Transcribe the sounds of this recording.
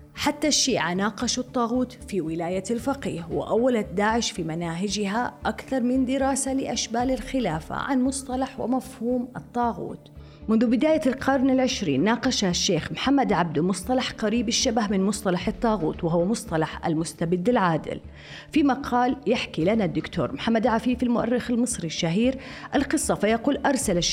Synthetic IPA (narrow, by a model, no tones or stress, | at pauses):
ħat̪ːaʃːiːʕanaːqɑʃut̪ˤːɑːɣuːt̪fiwɪlaːjalfaqḭːhwɪ̰ʔawːalat̪̚d̪aːʕɪʃfimanaːɦɪd͡ʒɪɦaʔakθɑɾˤmɪnd̪ɪɾɑːsalɪʔaʃbaːlɪlxɪlaːfa̰ʕa̰nmʊsˤt̪ˤɑlɑħwɪ̰mafhuːmʔɨ̰t̪ˤːɑːɣṵːt̪ | mʊnðʊbɪd̪aːjalqʰɑɾˤnɪlʕɪʃɾḭːnːɑːqɑʃaʃːeːxmħamːad̪ʕab̚d̪mʊsˤt̪ˤɑlɑħqaɾiːbɪʃːabahmɪnmʊsˤt̪ˤɑlɑħɨt̪ˤːɑːɣuːt̪wɪɦʊwːamʊsˤt̪ˤɑlɑħʔa̰lmʊst̪abɪd̪ːɪlʕaːd̪ɪ̰l | fimaqʰɑːljɪħkilanad̪ːʊkt̪ʰo̰ːɾˤmħamːad̪ʕafiːfɪlmʊʔa̰rːɪxɪlmɨsˤɾiʃːaɦiːɾʔalqɨsˤːɑfajaquːlʔɑɾˤsala